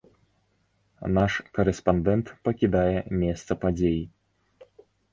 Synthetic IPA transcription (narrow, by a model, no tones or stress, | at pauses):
naʂkɐɾɛspand̪ɛnt̪pɐkʲid̪ajɛmʲɛst̪sɐpad͡zʲeji